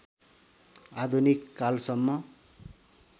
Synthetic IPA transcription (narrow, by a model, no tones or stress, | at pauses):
ad̪ʱunikːalsʌmːʌ